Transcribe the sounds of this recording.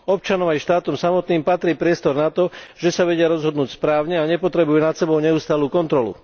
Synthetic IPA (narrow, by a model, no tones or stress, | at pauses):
ɔp̚t͡ʃanɔmajʃt̪aːt̪ɔmsamɔt̪niːmpat̪ɾiːpɾɪɛst̪ɔɾnat̪ɔʒ̥ɛsaʋɛɟɪaɾɔzɦɔd̪nuːcspɾaːʊɲɛaɲɛpɔt̪ɾɛbujɛnat̪sɛbɔʊɲɛuːst̪aːluːkɔnt̪ɾɔlṵ